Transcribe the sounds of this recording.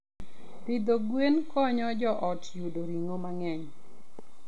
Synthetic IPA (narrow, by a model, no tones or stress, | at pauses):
pid̪oɡwenkʰɔɲɔd͡ʒɔʔɔtjudoɾiŋomaŋɛɲ